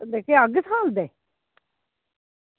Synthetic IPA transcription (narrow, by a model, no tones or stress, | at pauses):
d̪eːkʰeːəɡsaːld̪eː